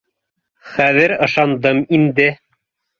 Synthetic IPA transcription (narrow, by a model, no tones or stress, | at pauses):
χæðɘɾɤ̆ʃɑnd̪ɤmind̪ɘ